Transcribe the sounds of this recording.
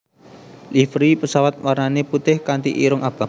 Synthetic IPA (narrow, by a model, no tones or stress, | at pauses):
lifɾipəsawat̪̚warnaneput̪ɪhkant̪ḭʔiɾʊŋab̥a̤